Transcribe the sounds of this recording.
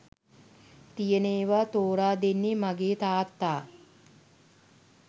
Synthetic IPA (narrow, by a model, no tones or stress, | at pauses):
t̪ijəneːʋat̪oːɾaːd̪enːimaɡeːt̪aːt̪ːaː